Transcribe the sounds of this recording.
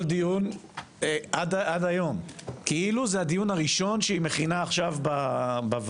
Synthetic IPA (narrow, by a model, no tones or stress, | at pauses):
ld̪ijun | eʔadʔadajo̞mkiiluzehad̪ijunaʁiʃo̞nʃeime̞χinaːχʃavbabav